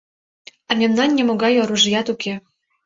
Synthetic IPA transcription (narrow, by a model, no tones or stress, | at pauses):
ɑmʲemnɑnːʲemoɡɑjoɾuʒjɑt̪ukʰe